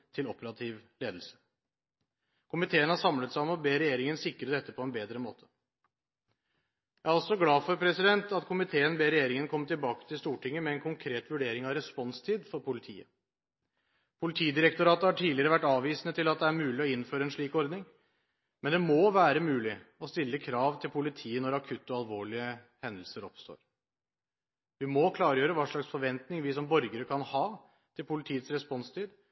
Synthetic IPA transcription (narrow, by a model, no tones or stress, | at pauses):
t̪ʰɪlɔpəɾɑt̪ʰɪːʋleːd̪l̩sə̥ | kʰʊmɪt̪ʰeːənhɑɾʂɑmlət̪sæɪɔmɔbeːɾɛjeːɾɪŋənsɪkɾəd̪ɛt̪ːəpʰɔɛnbeːd̪ɾəmoːt̪ʰə̥ | jææɾɔlsɔɡlɑːfɔɾpʰɾɛsɪd̪ɛnt̪ɑt̪kʰʊmɪt̪ʰeːənbeːɾɛjeːɾɪŋənkʰɔmːət̪ɪlbɑːkə̥t̪ʰɪlst̪uːʈʰɪŋːəmɛɛnkʰʊŋkʰɾeːt̪ʋʉɖeːɾɪŋɑʋɾɛspɔnst̪ʰiːd̪fɔɾpʊlɪt̪ʰḭːə̰ | pʰʊlɪt̪ʰiːd̪ɪɾɛk̚t̪ʊɾɑːt̪əhɑʈʰiːlɪəɾəʋæʈːɑːʋiːsnət̪ʰɪlɑt̪̚d̪ɛæɾmʉːlɪɔɪnføːɾəɛnʂɭiːkɔɾd̪nɪŋ | mɛnd̪ɛmoːʋæːɾəmʉːlɪɔst̪ɪlːəkʰɾɑːʋt̪ʰɪlpʰʊlɪt̪ʰiːənɔɾɑkʰʉt̪ːɔɑlʋoːɭɪə | hɛnd̪əlsəɾɔpst̪o̰ːɾ | ʋɪmɔkʰlɑːɾjøːɾəʋɑːʂɭɑksfɔɾʋɛnt̪nɪŋʋɪsɔmbɔɾɡəɾəkʰɑnhɑː | t̪ʰɪlpʊlɪt̪ʰiːət̪sɾɛspɔnst̪ʰiːd̪